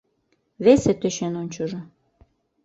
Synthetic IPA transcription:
βeset̪øʃenonʲt͡ɕə̆ʒŏ

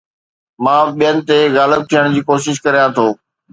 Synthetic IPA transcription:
mãːɓijənɪ̆t̪eɣaːləb̚t̪ʰijəɽ̃d͡ʑiːkoːʃɪʃkɐɾijãt̪ʰoː

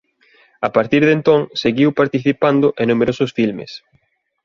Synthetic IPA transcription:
apaɾt̪iɾðent̪õŋseɣiwpaɾt̪iθipand̪ʊʔenũmeɾosʊsfilmḛs

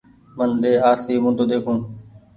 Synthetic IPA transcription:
mənɗ̪eːaːɾsiːmũːt̪oːd̪eːkʰũː

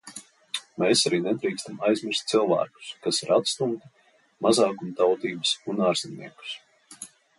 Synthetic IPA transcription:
meːsaɾiːnɛd̪ɾiːkst̪amajzmʲɪɾ̥st̪ʲsilˠvæ̰ːku̥skasiɾʔat̪st̪umt̪i | mazɑːkunt̪awt̪iːbəsunaːɾz̥inʲːḭɛku̥s

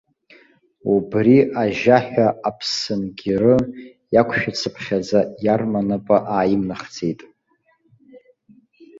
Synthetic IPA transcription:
ubriʔaʒaħᶣaapʰsɨnɡʲirɨ | jakʷʰʃᶣat͡sʰɨpʰχʲazajarmanapʼaʔaːjɪmnaχd͡zʰʼejtʼ

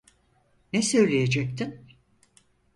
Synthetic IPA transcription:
nɛsø̞jlʲejed͡ʒɛk̚t̪ʰin

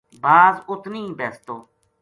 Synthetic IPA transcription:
baːzʊt̪nĩːbɛːst̪oː

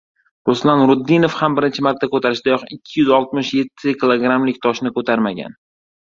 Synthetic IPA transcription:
ɾʊslanɾʊd̪ːɪnofhambɪɾɪnt͡ʃʰɪmaɾt̪ʰːakɵt̪ʰaɾɪʃd̪̥ajɒqɪkʲʰːɪjʏzɒlˠt̪̚mɪʃje̞t̪ʰːɪkʰʲɪlˠoɡɾamlɪk̚ʲt̪ʰɒʃnɪkɵt̪ʰaɾmaɡʲa̰n

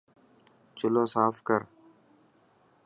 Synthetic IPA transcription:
t͡ʃʊlõːsaːfkəɾ

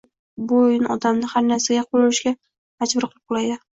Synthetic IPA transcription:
bojɪnɒd̪amnɪhaɾnaɾsaɡʲaqʰʊlɪlɪʃɡʲa | ad͡ʒbʊɾqʰɨlˠɪp̚qʰʊlˠajd̪ɪ

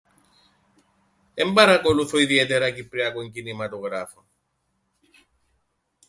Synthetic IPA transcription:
ɛmbaɾakɔluθɔiðiɛt̪ɛɾakipɾiakweŋkinimat̪ɔɣɾafa

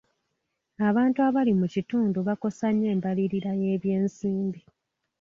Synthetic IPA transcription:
aβaːntuaβalimucituːnduβako̞saɲːe̞ːmbaliɾiɾaje̞ːβje̞ːnsiːmbi

